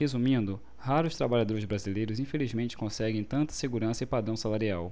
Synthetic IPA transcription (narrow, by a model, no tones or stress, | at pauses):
hezumĩnd̪ʊ | haɾʊst̪ɾabaʎad̪oɾɪzbɾazilejɾʊzĩfelizmẽnt͡ʃɪ̥kõsɛɡẽj̃t̪ɐ̃nt̪ɐ̥seɡuɾɐ̃sɐɪpad̪ɾɐ̃w̃salaɾiaw